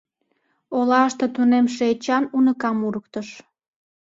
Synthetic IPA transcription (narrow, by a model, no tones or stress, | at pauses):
olɑʃt̪ət̪unemʃ̬eːt͡ɕɑnunəkɑmuɾək̚t̪əʃ